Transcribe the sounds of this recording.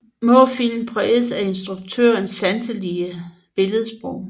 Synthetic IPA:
mɔfilm̩pʰʁɛesæe̝nsd̥ʁuɡ̥̚t͡sʰø̰ɐnsːænsəliə | b̥e̝ləð̞ˠsb̥ʁɔʊ̰

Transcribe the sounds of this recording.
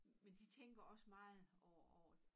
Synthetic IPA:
mend̥it͡sʰeŋ̰ɡ̥ɐɒ̽səmɑ̈ːð̞̩ˠɒʊɒʊɐ̥

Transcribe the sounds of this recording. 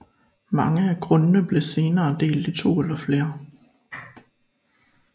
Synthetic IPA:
mɑ̈ŋəækʰʁɔ̽nənəb̥le̝se̝ːnɐːd̥e̝̰ːld̥it͡sʰo̝̰ːelɐfle̝ːɐ

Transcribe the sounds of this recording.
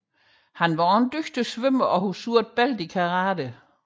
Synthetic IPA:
hænʋɑnd̥øɡ̥d̥əsʋøm̰ɐɒ̽husuɐd̥̚b̥æl̰d̥ikʰɑʁɑːdə

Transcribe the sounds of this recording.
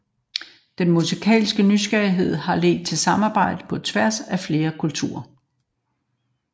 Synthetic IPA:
d̥enmusikʰɛ̰ːlsɡ̥ənysɡ̥æɐiɦe̝ð̞̰ˠhɑ̈le̝̰ːd̥̚t͡sʰe̝lsɑ̈mɑ̈ːb̥ɑ̈ɪ̰d̥əpʰɒ̽t͡sʰʋæɐsæfle̝ːɐkʰult͡sʰṵːɐ

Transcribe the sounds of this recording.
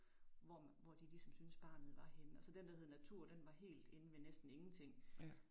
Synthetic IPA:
ʋɒʋɒd̥ilisɒ̽msynsb̥ɑ̈ːnð̩ˠʋɑ̈henəælsɒd̥end̥æheð̞̩ˠnæt͡sʰuɐ̰d̥enʋɑ̈ɦe̝̰ːld̥e̝nəmenesd̥n̩e̝ŋn̩t͡sʰe̝ŋ̰

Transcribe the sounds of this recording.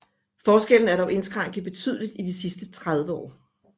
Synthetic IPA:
fɒːsɡ̥el̰n̩æɐɾɒʊʔe̝nsɡ̥ʁɑ̈ŋ̰ɡ̥ð̩ˠb̥e̝t͡sʰy̰ðˠlid̥id̥isisd̥ət͡sʰʁað̞ˠʋəɒ̰ː

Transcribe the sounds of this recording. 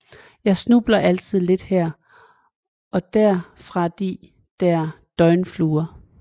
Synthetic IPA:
jɑ̈ɪsnub̥lɐʔæl̰t͡sʰið̞̰ˠle̝d̥hæɐ̰ | ʔɒ̽d̥æɐ̰fʁɑ̈d̥i | d̥æɐ | d̥ɒ̽ɪnfluːɐ

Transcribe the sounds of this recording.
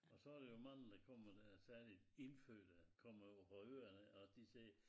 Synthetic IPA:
ɒsɒ̽ɑɾ̥ejo̝mɑn̰n̩d̥ɑkʰɒm̰ɐd̥æsæɐlid̥e̝nfø̰ːd̥əkʰɒm̰ɐjofɒøːɐnəɒsd̥isɛː

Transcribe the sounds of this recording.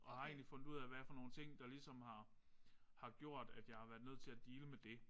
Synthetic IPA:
ʔɒ̽hɑ̈e̝ːnlifɔ̽n̰d̥uð̰ˠæʋææɐfɒ̽no̝ːn̩t͡sʰe̝ŋ̰d̥ɑ̈lisɒ̽mhɑ̈ | hɑ̈ɡ̥jo̝ɐ̰d̥æd̥jɑ̈ɪhɑ̈ʋæːɐðˠnøð̰ˠt͡sʰe̝læd̥iːləmed̥e̝

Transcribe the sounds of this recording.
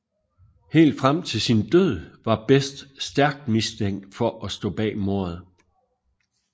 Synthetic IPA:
he̝̰ːld̥fʁam̰t͡sʰe̝lsind̥øð̰ˠʋɑ̈b̥esd̥sd̥æɐɡ̥̚d̥misd̥eŋ̰d̥fɒ̽ʔɒsd̥ɔ̰̽ːb̥ɛ̰ːmo̝ɐð̩ˠ

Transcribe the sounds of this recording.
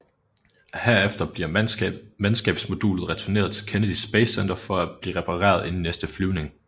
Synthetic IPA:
heɐefd̥ɐbiɐmænsɡ̥ɛ̰ːb̥smo̝d̥ṵːlð̞̩ˠʁɛt͡sʰune̝ːɐð̞ˠt͡sʰe̝lkʰenəd̥isb̥eɪsend̥ɐfɒ̽æb̥liːʁɛpʰɑ̈ʁɛ̰ːɐð̞ˠe̝n̩nesd̥əflyʊne̝ŋ

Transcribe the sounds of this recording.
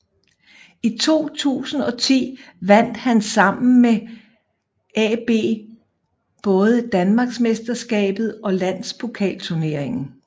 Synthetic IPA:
it͡sʰo̝̰ːt͡sʰṵːsn̩ɒ̽t͡sʰḭːʋæn̰d̥hænsɑ̈m̰n̩me | ɛb̥e̝̰ː | b̥ɔ̽ːð̞ˠəd̥ænmɑ̈ɡ̥smesd̥ɐsɡ̥ɛ̰ːb̥ð̞̩ˠɒ̽læn̰spʰo̝kʰɛ̰ːlt͡sʰuɐne̝ɐ̰e̝ŋn̩

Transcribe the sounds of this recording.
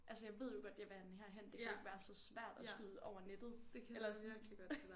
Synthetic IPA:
ʔælsəjɑ̈ɪʋe̝ð̞̰ˠjo̝ɡ̥ɒ̽d̥jeʋænɦæɐ̰ɦen̰d̥ekʰæɡ̥ʋæːɐsɒ̽sʋæɐ̰d̥æsyð̰ˠʔɒʊɐned̥ð̩ˠd̥kelɐ̥liɡ̥

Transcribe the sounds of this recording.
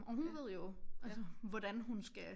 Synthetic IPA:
ʔɒ̽ɦunʋe̝ð̰ˠjo̝ʔælsəʋɒd̥ænɦunsɡ̥æ

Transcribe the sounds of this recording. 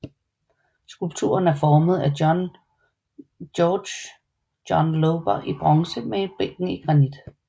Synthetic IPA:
sɡ̥ulb̥t͡sʰṵːɐnæɐfɒːməð̞̩ˠæn | ɔːd̥ɕ | jɒnloʊb̥ɐʔib̥ʁɑŋsəmee̝nb̥eɡ̥n̩iɡ̥ʁɑ̈nid̥

